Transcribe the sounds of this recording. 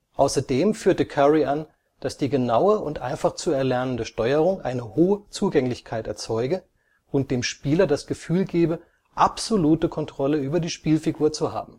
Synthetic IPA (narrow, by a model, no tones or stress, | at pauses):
ʔaʊsɐdeːmfyːɐtəkʰɛʁiʔan | d̥asd̥iːɡənaʊəʊ̰ntʔa̰ɪnfaχt͡suɛɐlɛɐnəndəʃtɔʏəʁ̞ʊŋʔa̰ɪnəhoːət͡suːɡɛŋlɪçkʰaɪtɛɐt͡sɔʏɡə | ʔʊnt̚d̥eːmʃpiːlɐdasɡ̥əfyːlɡeːbə | ʔapz̥oluːtəkʰɔntʁ̥ɔləyːbɐdiːʃpiːlfiɡuːɐt͡suha̰ːbm̩